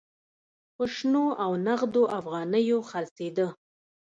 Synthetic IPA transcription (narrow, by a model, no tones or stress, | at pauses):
pəʂnoawnaɣd̪oʔafɣɑnəjoxalsed̪ə